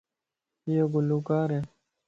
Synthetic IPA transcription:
joɡuluːkaːɾeː

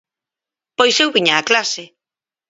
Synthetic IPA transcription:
pojsewβiɲaːklase

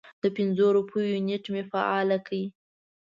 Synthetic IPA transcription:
d̪̥əpɪnzoɾupʰujuneʈmefa̰ʔɑlakʰawi

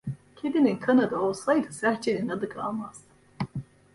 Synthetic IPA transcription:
cʲʰed̪ininkʰanad̪aolˠsajd̪ɯsæɾt͡ʃʰeninad̪ɯkʰa̰lˠmaz̥

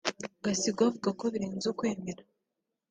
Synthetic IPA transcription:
ɡasiɡwavuɡako̞βiɾeːnzukwe̞ːmeɾa

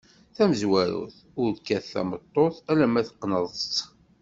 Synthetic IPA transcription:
θæməzwæɾṵθ | ʊɾkːæθːæ̰mət̪ˤːoθælæmæθə̥qːnəðˤt͡sː

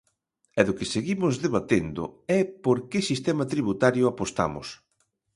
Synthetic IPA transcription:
ɛðʊkɪseɣimʊzðeβat̪end̪ʊ̰ɛpoɾkɪsist̪ɛmat̪ɾiβut̪aɾjʊapost̪a̰mʊ̰s

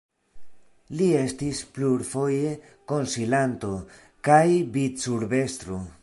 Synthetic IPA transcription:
lie̞stispluɾfo̞je̞ | ko̞nsilant̪o̞ | kajbitsuɾbe̞st̪ɾo

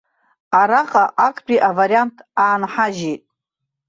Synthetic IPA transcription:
aɾaχʼaʔakʰʼbʼiʔavaɾijantʰaːnħaʒejtʼ

